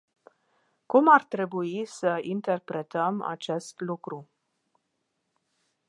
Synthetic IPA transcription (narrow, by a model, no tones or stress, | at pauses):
kumart̪ɾe̞buisəint̪e̞rpɾe̞t̪əma̰t͡ʃe̞st̪lukɾu